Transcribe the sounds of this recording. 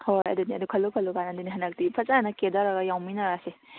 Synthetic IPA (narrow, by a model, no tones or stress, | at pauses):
hojɐ̰duniɐ̰dukʰɐlːukʰɐlːukanadiniɦɐnak̚dipʰɐt͡ʃanɐkedaɾaɡɐjawminaɾase